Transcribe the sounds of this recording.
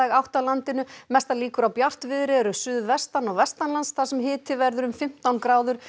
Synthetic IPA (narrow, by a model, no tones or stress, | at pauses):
aɣawht̪awlant̪ɪnʏmɛst̪aliːkʏɾawpjar̥t̪vɪðɾɪɛɾʏsʏːðvɛst̪anɔɣvɛst̪anlansθasɛmɦɪːt̪ʰɪvɛɾðʏɾʏmfɪm̥t̪awnkɾaːwðʏɾ̥